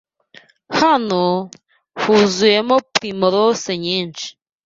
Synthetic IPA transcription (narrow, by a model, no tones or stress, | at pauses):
hano | huzujemopɾimoɾoseɲiːnt͡ʃi̥